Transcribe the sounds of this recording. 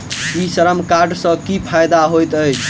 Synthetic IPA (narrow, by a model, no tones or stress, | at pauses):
isəɾəmkaɾɖsə̃kipʰajd̪aɦojt̪əjt͡ʃʰ